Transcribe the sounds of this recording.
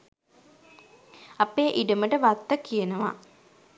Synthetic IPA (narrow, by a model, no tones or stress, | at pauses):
apeːʔiɖəməʈəʋat̪ːəkːijenəʋa̰